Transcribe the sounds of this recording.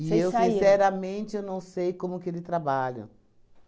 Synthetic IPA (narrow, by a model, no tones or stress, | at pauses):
iewĩsɛɾɐmẽnt͡ʃɪewnɐ̃w̃sejkõmʊkɪelɪt̪ɾabaʎʊ̰